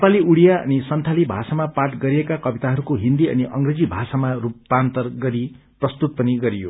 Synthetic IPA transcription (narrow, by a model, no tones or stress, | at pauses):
epaliʔuɽijaʌ̰nisʌnt̪ʰalibʱasamapaʈɡʌɾiekakʌbit̪aɦʌɾukoɦind̪iʌ̰niʔʌŋɡred͡zibʱasamarupːant̪ʌrɡʌɾi | prʌst̪ut̪̚pʌniɡʌɾijo̰